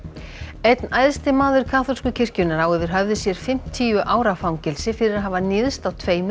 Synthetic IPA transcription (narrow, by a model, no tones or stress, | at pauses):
ejt̪najðst̪ɪmaːðʏɾ̥kʰaːθɔlskʏcʰɪr̥cʏnaɾawɛvɪɾ̥ɦœvðɪsjɛɾ̥fɪm̥t̪ʰːiːʏʔaːwɾafawmcɪlsɪfɪɾɪɾaðɦaːvanɪːðst̪awt̪ʰveːjm